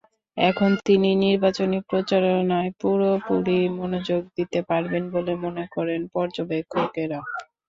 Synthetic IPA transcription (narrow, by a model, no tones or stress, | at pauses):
ɛkʰont̪ininiɾbat͡ɕonikpɾot͡ɕaɾonaepuɾopuɾimonod͡ʑoɡ̚d̪it̪epaɾbenbolemonekɔɾenpɔɾd͡ʑobekʰːokeɾa